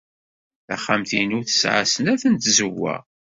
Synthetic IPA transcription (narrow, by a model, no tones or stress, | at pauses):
θæ̰χːamθinuθə̥sʕa̰sənæθənt̪zəwæ̰